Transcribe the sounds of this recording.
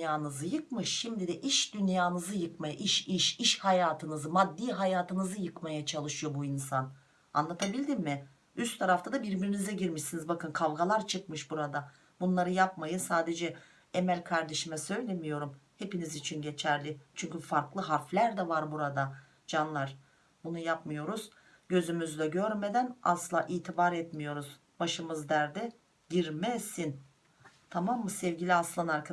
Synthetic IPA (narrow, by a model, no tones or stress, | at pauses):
jaːnɯzɯjɯk̚mɯʃːimd̪id̪ɛʔiʃd̪ynjaːnɯzɯjɯkmajaʔiʃiʃiʃhajaːt̪ʰɯnɯzɯmad̪ːiːɦajaːt̪ʰɯnɯzɯjɯkmajat͡ʃʰalˠɯʃɯjo̞buinsan | a̰nlˠat̪ʰabilʲd̪immɪ | yst̪ʰaɾaft̪ʰad̪abiɾbiɾinizɛɟiɾmiʃsinizbakɯnkʰavɡalˠaɾt͡ʃʰɯk̚mɯʃbuɾad̪a | bunlˠaɾɯjap̚majɯsaːd̪e̞d͡ʒɛ | emælʲkʰaɾd̪e̞ʃimɛsø̞jlʲe̞mijo̞ɾumhe̞pinizit͡ʃʰinɟe̞t͡ʃʰæɾlʲɪt͡ʃʰyɲcyfaɾklˠɯɦaɾflʲæɾd̪ɛvaɾbuɾad̪a | d͡ʒanlˠaɾ | bunujapmɯjo̞ɾuz̥ | ɟ̥ø̞zymyzd̪ɛɟøɾme̞d̪æna̰sɯlˠaʔiːt̪ʰibaɾɛt̪mijo̞ɾuz̥ | baʃɯmɯzd̪æɾd̪ɛ | ɟiɾmɛsin | t̪ʰamamːɯsɛvɟilʲiasɯlˠanaɾkʰa